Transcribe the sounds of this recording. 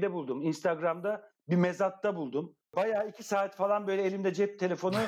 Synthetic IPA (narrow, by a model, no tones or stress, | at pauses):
d̪ɛbulˠd̪uminst̪ʰaɡɾamd̪a | bimezat̪ːabulˠd̪um | bajaːicʰisaːt̪falˠanbø̞jlʲɛːlʲimnd̪ɛd͡ʒɛp̚t̪ʰe̞lʲe̞fo̞nu